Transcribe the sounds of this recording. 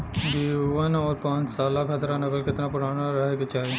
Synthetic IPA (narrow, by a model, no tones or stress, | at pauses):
d̪iːʋənɔːɾpãːt͡ʃsaːlakʰət̪ɾanɐkəlkɪt̪napʊɽaːnaɾɐɦeket͡ʃaːɦe